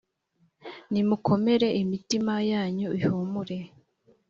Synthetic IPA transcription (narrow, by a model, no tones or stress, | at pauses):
nimukʰo̞me̞ɾe̞imitimajaːɲuihomuɾe̞